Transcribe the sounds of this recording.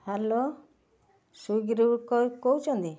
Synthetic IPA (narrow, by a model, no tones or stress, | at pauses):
halo | suɡɾukɔkowt͡ʃʰɔnt̪i